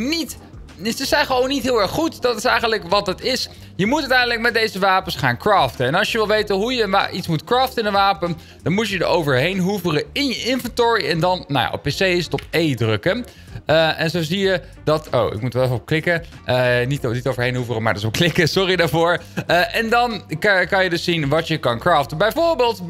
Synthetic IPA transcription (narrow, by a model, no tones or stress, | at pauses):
nit | səsɛjnχəʋownːitɦɪːlˠɛɹχχutdɑtɪsɛjχənləkʋɑt̚dɑtɪs | jəmutœtɛjndələk̚mɛd̚dejzəʋaːpənsχaːnkraːftənɛnɑlˠʃjəʋɪlˠʋejtəɦujənʋa̰ʔitsmutkraːftəɪnənʋaːpən | d̥ɑnmutjədəowvəɹɦejnɦuvərəɪnjəʔɪnvɛntɔɹiɛndɑnna̰wja̰ʔɔ̰pːesejɪsətɔp̚ejdrɵkən | əʔɛnzowzijə | dɑto̰wɪ̰k̚mutʋɛlɛfɔp̚klɪkə | nitnitowvəɹɦejnɦuvərəmaːɹdtɪsɔpklɪkəsɔridaːɹvʊːɹʔɛndɑnkɑnjədɵsːinʋɑtjəkɑnkraːftəbɛjvʊːɹbelˠt